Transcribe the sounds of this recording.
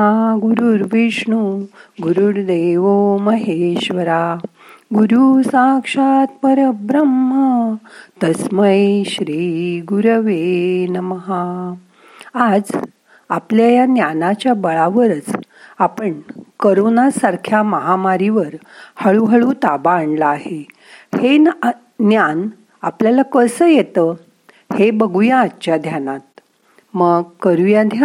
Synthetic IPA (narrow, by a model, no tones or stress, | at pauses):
aɡuɾuɾʋiʂɳuɡuɾuɾd̪eʋoməɦeɕʋəɾa | ɡuɾusãkʂat̪pəɾəəbɾəmːət̪əsməjɕɾiːɡuɾʋenməɦa | ad͡z | apljajanjanat͡ɕjabəɭaʋəɾət͡s | apəɳkəɾonasaɾkʰjaməɦamaɾiʋəɾ | həɭuɦəɭut̪abaːɳɖlaaɦe | he | njan | apljalakəsəjet̪ə | hebəɡujãːt͡ɕjad̪ʱjanat̪̚ | məɡkəɾujãd̪ʱja